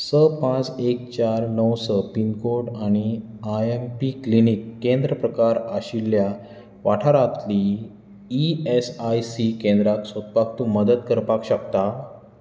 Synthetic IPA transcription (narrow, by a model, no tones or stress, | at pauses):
səpãt͡sek̚t͡ɕaɾnəwsəpinkoɾɖaɽ̃iaempiklinikːẽnd̪ɾəpɾəkaɾaɕilːja | ʋaʈʰaɾat̪li | iesajsikẽnd̪ɾaksot̪̚pak̚t̪ũməd̪ət̪kəɾpakɕəkt̪a